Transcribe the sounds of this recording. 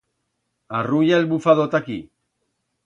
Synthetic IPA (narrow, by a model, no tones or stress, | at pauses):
arujalbufaðot̪aki